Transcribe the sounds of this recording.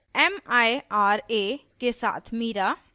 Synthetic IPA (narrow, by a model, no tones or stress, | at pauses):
ɛmajaɾekesa̰ːt̪ʰmiɾa